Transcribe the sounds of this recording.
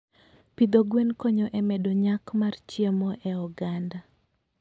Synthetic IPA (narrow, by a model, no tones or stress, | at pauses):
pid̪oɡwenkɔɲɔʔɛmɛdɔɲakmart͡ʃjemɔʔɛɔɡanda